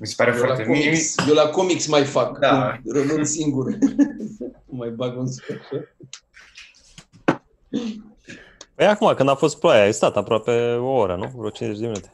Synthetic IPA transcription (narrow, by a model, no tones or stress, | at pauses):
misepaɾefjeoaat̪emisjewlakomiksmajfakd̪arəmɨnsiŋɡur | majbaɡunspaʃa | pəjakumakɨnd̪afo̞st̪̚plajaajst̪at̪apɾoape̞o̞oɾənuvɾot͡ʃinzet͡ʃʲd̪eminut̪e̞̥